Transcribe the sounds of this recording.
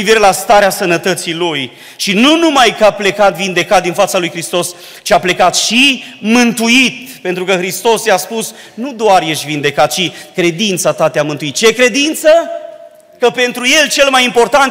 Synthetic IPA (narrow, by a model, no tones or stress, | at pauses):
iviɾe̞last̪aɾeasənət̪ət̪siluj | ʃinunumajkaple̞kat̪vind̪e̞kat̪̚d̪infat̪salujxɾist̪o̞s | t͡ʃiaple̞kat̪ʃimɨnt̪uit̪pe̞nt̪ɾukəxɾist̪o̞sjaspusnud̪oarjeʃt̪ʲvind̪e̞kat̪̚t͡ʃikɾe̞d̪int̪sat̪at̪eamɨnt̪uit̪̚t͡ʃe̞kɾe̞d̪int̪sə | kəpe̞nt̪ɾuje̞lt͡ʃe̞lmajimpo̞rt̪ant̪